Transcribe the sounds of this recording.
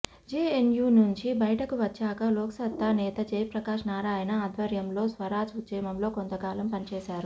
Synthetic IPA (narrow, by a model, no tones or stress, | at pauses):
d͡ʒeːenjuːnuɲt͡ʃibɐjɐʈɐkuʋɐt͡ʃːaːkɐloːksɐt̪ːaːnɛːt̪ɐd͡ʒɐjpɾɐkaːʂnaːɾaːjɐnɐːd̪ʱʋɐɾjɐmlo̞ːsʋɐɾaːd͡ʒud̪t͡ʃɐːmɐmlo̞ːko̞nt̪ɐkaːlɐmpɐnit͡ʃɛːʃaːɾu